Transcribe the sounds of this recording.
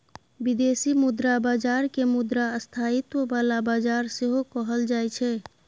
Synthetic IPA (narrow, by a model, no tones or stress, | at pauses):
bid̪esimʊd̪ɾabaːd͡ʒaːɾkemʊd̪ɾaəst̪ʰait̪wəbalabaːd͡ʒaːɾseɦokɔɦəld͡ʒaːɛt͡ʃʰɛ